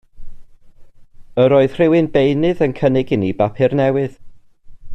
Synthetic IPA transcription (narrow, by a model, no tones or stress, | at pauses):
əɾoːɨð̥r̥ɪwɪnbejnɨðənkʰənɪɡɪnibapʰɪrnɛwɨð̥